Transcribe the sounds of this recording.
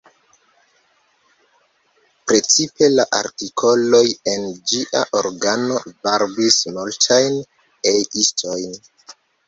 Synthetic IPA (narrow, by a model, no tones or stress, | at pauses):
pɾe̞t͡sipe̞laʔa̰ɾtikʰo̞lo̞je̞nd͡ʒiʔa̰ʔoɾɡano̞vaɾbismoltʰajn | ejistʰo̞jn